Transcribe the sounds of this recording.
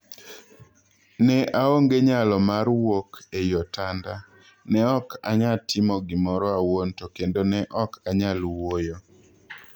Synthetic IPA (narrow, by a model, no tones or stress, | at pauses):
nɛʔaoŋɡeɲalɔmaɾwokejɔtanda | nɛɔka̰ɲatʰɪmɔɡɪmɔɾɔawontokendonɛʔɔkaɲalwojo